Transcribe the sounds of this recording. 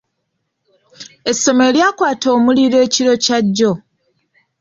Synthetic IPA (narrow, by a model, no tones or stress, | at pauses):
e̞sːo̞meljaːkwaːto̞ːmuliɾe̞ːciɾo̞caɟːo̞